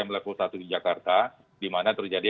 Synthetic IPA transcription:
aŋməlakusat̪udid͡ʒakart̪a | dimanat̪ərd͡ʒadi

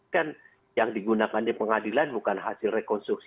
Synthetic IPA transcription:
kan | jaŋdiɡunakandipəŋadilanbukanɦasɪlrekɔnst̪ɾuk̚s

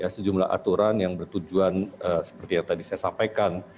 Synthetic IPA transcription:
jasəd͡ʒumla̰ɦa̰t̪uɾanjaŋbərt̪ud͡ʒuanəsə̥pərt̪ijaŋt̪adisajasampajkan

